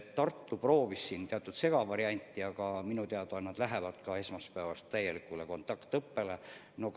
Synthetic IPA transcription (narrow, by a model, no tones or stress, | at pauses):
t̪ɑrt̪ːupro̞ːvisːint̪eɑt̪ːˑud̪se̞ɡ̥ɑvɑɾiɑnʲt̪ˑːiɑɡ̥ɑminut̪eɑd̪oɑnːɑd̪̥læɦevɑd̪̥kɑe̞smɑspæːvɑst̪ːæjːe̞likːˑuleko̞nt̪ːˑɑkt̪ɤpːe̞le | no̞